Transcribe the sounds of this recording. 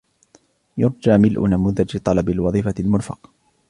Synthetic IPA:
jʊɾˤd͡ʒaːmɪlʔʊ̰namʊðad͡ʒɪt̪ˤɑlɑbɪlwɑðˤiːfalmʊɾfɑ̰q

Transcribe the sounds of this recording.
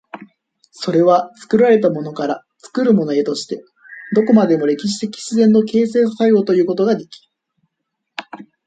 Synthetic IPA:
so̞ɾe̞βat͡sɨ̥kɯ̟ɾaɾe̞t̪amo̞no̞kaɾa | t͡sɨ̥kɯɾɯ̟mo̞no̞e̞t̪o̞ɕi̥t̪e̞ | d̪o̞ko̞mad̪e̞mo̞ɾe̞kʲiɕ̬i̥t̪e̞kʲi̥ɕizẽ̞nːo̞ke̞ːse̞ːs̬asajo̞ːt̪o̞jɯ̟ːko̞t̪o̞ɡad̪e̞kʲi̥

